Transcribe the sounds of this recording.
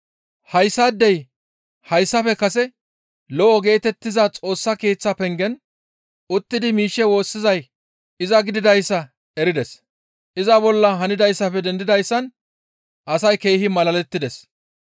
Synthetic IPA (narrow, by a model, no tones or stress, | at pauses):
hɐjsːaːd̪ːɛj | hɐjsːɐfɛkɐsɛ | lɔʔɔɡe̞ːt̪ɛt̪ːɪzɐt͡sʼo̞ːsːɐke̞ːt͡sːɐpɛŋɡɛn | ʊt̪ːɪd̪ɪmiːʃːɛwo̞ːsːɪzɐj | ɪzɐɡɪd̪ɪd̪ɐjsːɐ | ɛɾɪd̪ɛs | ʔɪzɐbɔlːɐɦɐnɪd̪ɐjsːɐfɛd̪ɛnd̪ɪd̪ɐjsːɐn | ʔɐsɐjke̞ːhɪmɐlɐlɛt̪ːɪd̪ɛs